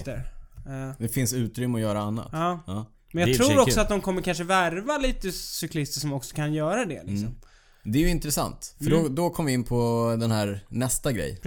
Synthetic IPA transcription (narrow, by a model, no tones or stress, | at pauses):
t̪əɾ | d̪ɛfɪnsʉ̟ːt̪ɾʏmːəɔjœːɾaanːa̰t̪ɑː | mɛnjaɾuːɾɔksɔat̪̚d̪ɔmkʰɔmːəɾkʰanʂəvæɾvaliːt̪əsʏkʰlɪst̪əʂɔmɔksɔ̥kʰanjœːɾad̪ɛ̰lɪ̰ksɔm | d̪ɛːjɵɪnt̪ɾɛsa̰nt̪fœɖɔd̪ɔkʰɔmːvɪɪnːpʰɔd̪ɛnhæːɾnɛst̪aɡɾɛ̰j